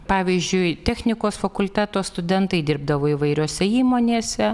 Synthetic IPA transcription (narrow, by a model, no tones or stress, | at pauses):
pɑːʋʲiːzʲd͡ʒʲʊɪt̪ʲɛxʲnʲɪkoːsfɐkʊlʲt̪ʲæːt̪oːst̪ʊd̪ʲɛnt̪ɐɪd̪ʲɪɾb̚d̪ɐʋoːɪʋɐɪɾʲoːsʲɛiːmoːnʲeːsʲɛ